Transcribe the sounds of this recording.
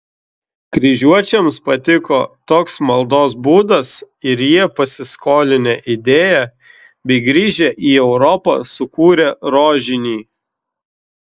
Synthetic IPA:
kɾʲiʒʲuɔt͡ʃʲɛmspɐt̪ʲɪkoːt̪oːksmɐlˠd̪oːsbuːd̪ɐs | ɪɾjiɛpɐsʲɪskoːlʲɪnʲɛːʔɪd̪ʲeːjæ | bʲɛɪɡɾʲiːʒʲeʔiːɛʊɾɔpɐ̰ːsʊkuːɾʲɛɾoːʒʲɪnʲiː

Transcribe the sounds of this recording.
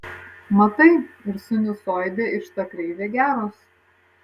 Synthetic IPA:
mɐt̪ɐɪɪɾsʊnʲɪsoːjd̪ʲeɪʃt̪ɐkɾʲɛɪʋʲeːɡʲæːɾoːs

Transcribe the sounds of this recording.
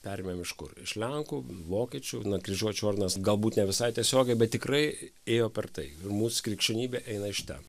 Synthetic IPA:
pʲæːɾʲemʲɛmɪʃkʊ̰rɪ̰ʃlʲɛŋkuːʋoːkʲiɛt͡ʃʲʊnɐkɾʲiʒʲuɔt͡ʃʲʊɔrd̪ʲɪnɐsɡɐlˠbuːt̪nʲɛʋʲɪsɐɪt̪ʲiɛsʲoːɡʲɛɪbʲɛt̪̚t̪ʲɪkrɐɪ | eːjoːpʲɛrt̪ɐɪɪrmuːsʊ̥kɾʲiɛkʃʲɛnʲiːbʲeːʔɛɪnɐɪʃt̪ʲɛ̰

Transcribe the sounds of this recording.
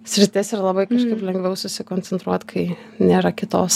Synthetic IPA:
sʲɾʲɪt̪ʲɪsɪrlˠɐbɐɪkɐʃkɐɪplʲɛŋɡʋʲɛʊsʊsʲɪkoːnʲt͡sʲɛnt̪ɾuɔt̪kʰɐɪnʲeːɾɐkʲɪt̪oːs

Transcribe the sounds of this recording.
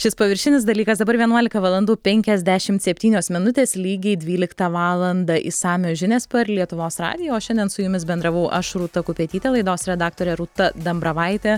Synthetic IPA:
ʃʲɪspɐʋʲɪɾʲʃʲɪnʲɪsd̪ɐlʲiːkɐsd̪ɐbɐɾʋʲiɛnuɔlʲɪkɐʋɑlˠɐnd̪uːpʲɛŋʲkʲɛzʲd̪ʲæʃʲɪmt̪sʲɛpʲt̪ʲiːnʲoːsmʲɪnʊt̪ʲeːslʲiːɡʲɛɪd̪ʲʋʲiːlʲɪkt̪ɑʋɑːlˠɐnd̪ɐʔɪ̰sɑːmʲoːʒʲɪnʲeːspɐrlʲiɛt̪ʊʋoːsɾɑ̰ːd̪ʲɪjoːʃʲɛnʲd̪ʲɛnsʊjʊmʲɪsbʲɛnd̪ɾɐʋɐʊʔɐʃɾuːt̪ɐkʊpʲeɛt̪ʲiːt̪ʲeːlˠɐɪd̪oːsɾʲɛd̪ɑːk̚t̪oːɾʲɛɾuːt̪ɐd̪ɐmbɾɐʋɐɪt̪ʲeː

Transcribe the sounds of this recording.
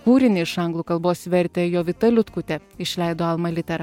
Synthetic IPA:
kuːɾʲɪnʲɪɪʃɐŋɡlˠuːkɐlˠboːsʋʲɛɾʲt̪ʲɛjoːʋʲɪt̪ɐlʲʊt̪kʊt̪ʲɛɪʃʲlʲɛɪd̪oːɐlˠmɐlʲɪt̪ʲɛɾɐ

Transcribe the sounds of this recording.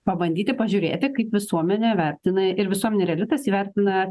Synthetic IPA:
pɐbɐnʲd̪ʲiːt̪ʲɪpɐʒʲʊɾʲḛːt̪ʲɪkɐɪpʋʲɪsuɔmʲɛnʲɛʋʲɛɾʲt̪ʲɪnɐɪɾʋʲɪsuɔmʲɛnʲɛɾʲɛlʲɪt̪ɐsiːʋʲɛɾʲt̪ʲɪnɐ

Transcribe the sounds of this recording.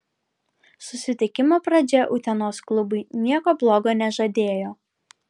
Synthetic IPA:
sʊsʲɪt̪ʲɪkʲɪmoːpɾɐd͡ʒʲɛʔʊt̪ʲɛnoːsklˠʊbʊɪnʲiɛkoːblˠoːɡoːnʲɛʒɐd̪ʲeːjoː

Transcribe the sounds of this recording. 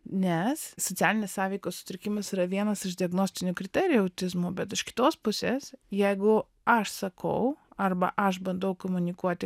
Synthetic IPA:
nʲɛssot̪t͡s̪ʲæːlʲɪnʲeːssɑːʋʲɛɪkoːssʊ̥t̪ʲɾʲɪkʲɪmɐsiːɾɐʋʲiɛnɐsɪʒd̪ʲɪɐɡnoːsʲt̪ʲɪnʲʊkɾʲɪt̪ʲɛːɾʲɪjʊɐʊt̪ʲɪzmʊːbʲɛt̪ɪʃkʲɪ̥t̪oːspʊsʲeːsjɛɪɡʊ | ɐʃsɐkɐ̰ʊɐrbɐʔɐʃbɐnd̪ɐʊkomʊnʲɪkuɔt̪ʲɪ

